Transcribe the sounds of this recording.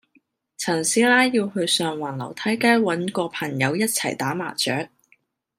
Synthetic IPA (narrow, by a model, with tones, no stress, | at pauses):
t͡sʰɐ˨˩nsiː˨˥laː˥jiː˧whɵ˧ɥsœː˨ŋwaː˨˩nlɐ̰˨˩wt̪ʰɐ˨˥jkaː˥jwɐ˨˥nkɔː˧pʰɐ˨˩ŋjɐ˨˧wjɐ˥t̚t͡sʰɐ˨˩jt̪aː˨˥ma̰ː˨˩t͡ʃœː˨˥k̚